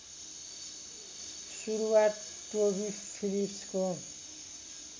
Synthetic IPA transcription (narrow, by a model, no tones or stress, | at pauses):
ʃuɾuwaːt̪ːobispʰilipsko